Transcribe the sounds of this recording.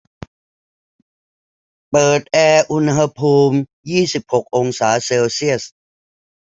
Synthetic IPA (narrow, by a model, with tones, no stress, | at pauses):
pɤː˨˩t̪̚ʔɛː˧ʔu˧nɦa˧pʰuː˧mjiː˥˩si˨˩p̚ho˨˩k̚ʔo˧ŋsaː˩˦seː˧wsi˥˩əs